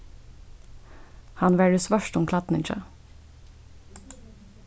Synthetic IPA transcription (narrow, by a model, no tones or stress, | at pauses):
hɑnʋæːɖʉːsʋœʃʈʊmkʰlɑt̪n̩ɪnt͡ʃə̰